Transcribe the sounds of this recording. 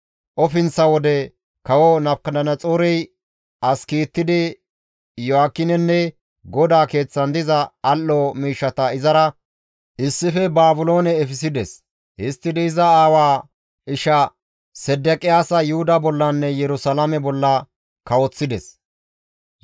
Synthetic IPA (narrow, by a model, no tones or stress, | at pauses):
ʔɔfɪnt͡sːɐwɔd̪ɛ | kɐwɔnɐpkɐd̪ɐnɐt͡sʼoːɾɛj | ɐskiːt̪ːɪd̪ɪ | jɔaːkːɪnɛnːɛ | ɡɔd̪aːke̞ːt͡sːɐnd̪ɪzɐːlːɔmiːʃːɐt̪ɐɪzɐɾɐ | ʔɪsːɪfɛbaːbʊlo̞ːnɛːfɪsɪd̪ɛs | hɪst̪ːɪd̪ɛɪzɐaːwaː | ɪʃɐ | sɛd̪ːɛkʼɪjaːsɐjʊhʊd̪ɐbɔlːɐnːɛjɛɾʊsɐlamɛbɔlːɐ | kɐwɔt͡sːɪd̪ɛs